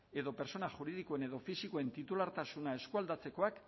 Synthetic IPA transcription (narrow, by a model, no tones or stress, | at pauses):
e̞ðo̞pe̞ɾso̞naʝuɾið̞ikoe̞ne̞ðo̞fisikoe̞nt̪it̪ulaɾt̪asunae̞skuald̪at͡se̞ko̞ak